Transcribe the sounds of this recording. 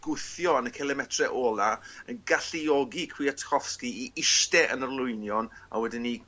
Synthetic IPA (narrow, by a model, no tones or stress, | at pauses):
ɡ̥ʊθjɔanəkʰɛlˠɛmɛtʰrɛʔoːlˠaənɡaɬiɔɡikʰwiatʰɔfskiiʔɪʃtɛʔənərlˠʊɨnjɔna̰wɛdɪnːi